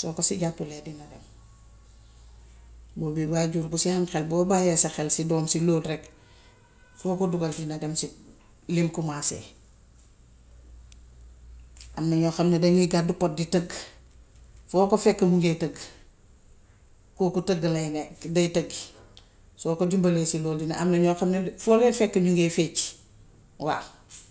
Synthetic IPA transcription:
soːkosiɟapːuledinɐdem | bobiwaɟuɾkusihaŋxelbobajesexelsidoːmsiloːlɾek | foːkoduɡɐldinademsi | limkumasḛ | ʔamnɐɲoxɐmnedɐɲiɡadupot̚ditəɡ | fɔːkofɛkːɐmuŋɡetəɡ | kukutəɡːɐlɐjŋedɐjtəɡ | soːkod͡ʒumbɐleːsiloːldinaamnɐɲɔxɐmnefɔːlɛfɛkːɐɲuŋɡefet͡ʃ | wa

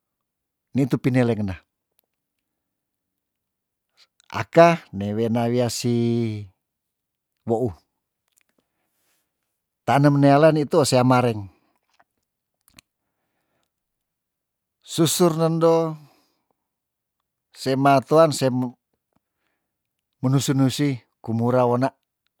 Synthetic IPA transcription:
nit̪upinɛlɛŋna | a̰kanewenawiasi | woʔu | t̪anəmnealanit̪uoseamaɾɛŋ | susurnəndo | semat̪uanse | mənusunusi | kumuɾawonaʔ

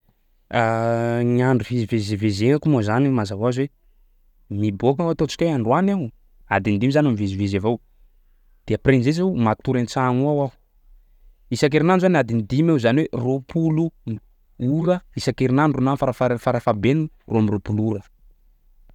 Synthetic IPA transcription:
aŋaɳɖ͡ʐuvizivezivezeakumozanimazavaazwe | mibokaat̪ot͡ʃi̥kʲaaɳɖ͡ʐwanew | ad̪inid̪imizanamivezivezevaw | d̪̥eəprenzes̬ewmat̪uɾent͡saŋuawaɦu̥ | isak̬eɾinanzanad̪inid̪imeuzaniweropʰulu | uɾəisakeɾinaɳɖ͡ʐunanfaɾafafaɾafabenu | roamiɾopuluɾə

